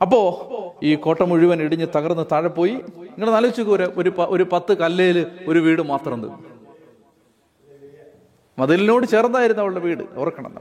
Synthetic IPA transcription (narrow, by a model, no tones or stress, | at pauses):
ɐpːo̞ːiːko̞ːʈːɐmuɻiʋɐniɽiɲːɨt̪ɐɣɐrnːɨt̪aːɻɐpːo̞ːjiiŋːɐɭenɐlɐʋit͡ɕːukːɐɾeoɾupɐʔoɾupɐt̪ːɨkɐlːejilɨo̞ɾuʋiːɽɨmaːt̪rɐmend̪unːu | mɐðilno̞ːɽɨt͡ɕeːrnɐd̪aːjiɾunːɐʋɐɭuɽeʋiːɽɨ̰urɐkːɐɳɐ̰nːɐ̰